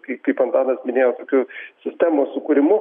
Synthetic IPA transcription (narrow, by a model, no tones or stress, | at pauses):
kɐɪpʲiɪpɐnt̪ɑːnɐsmʲɪnʲeːjoːt̪oːkʲʊsʲɪsʲt̪ʲæːmosʊkʊɾʲɪmʊ